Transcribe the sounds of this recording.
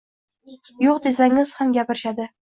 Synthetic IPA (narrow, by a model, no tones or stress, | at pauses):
joqd̪esaŋɪz̥hamɡʲapɪɾɪʃad̪ɪ